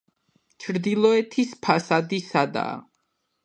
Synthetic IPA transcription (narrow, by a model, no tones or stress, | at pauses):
t͡ʃʰɾd̪ilˠɔɛt̪ʰispʰasad̪isad̪a̰ː